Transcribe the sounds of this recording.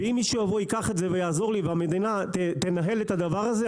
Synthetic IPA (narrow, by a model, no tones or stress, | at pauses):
eimːiʃujavojikaχetze̞vejaːzo̞ʁliveame̞d̪inat̪et̪e̞naɦe̞let̪ad̪avaʁaze